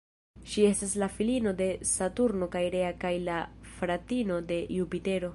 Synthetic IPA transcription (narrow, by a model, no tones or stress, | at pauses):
ʃie̞staslafilino̞de̞satuɾno̞kajiɾe̞akajlafɾatino̞de̞jupite̞ɾo̞